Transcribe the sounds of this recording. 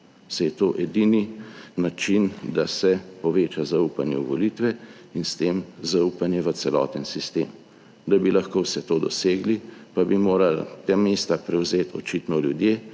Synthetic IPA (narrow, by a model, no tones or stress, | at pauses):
sajɛt̪oːʔɛd̪ininat͡ʃind̪asɛpɔʋeːt͡ʃazaupanjɛuʋɔlit̪ʋɛ | inst̪eːmzaupanjɛʋət̪sɛlɔ̰ːt̪ənsist̪ḛːm | d̪abilaxkowsɛt̪oːd̪ɔseːɡlipabimoːɾala̰t̪ameːst̪apɾɛwzeːt̪ʰɔ̰t͡ʃit̪nɔljud̪jeː